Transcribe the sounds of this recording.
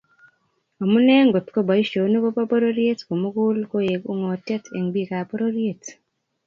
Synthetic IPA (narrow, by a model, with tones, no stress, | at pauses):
o˨mu˦nɛ˦ŋɡo˨t̪ko˦ba˨i˦ʃo˨˦nu˦ko˦pa˦po˦ɾo˦ɾje˦tko˨mu˦ɡu˦lko˦je˨ɡu˦ŋɔ˨tɛ˦tʰḛ˨ŋbi˦ka˨po˦ɾo˦ɾje˦t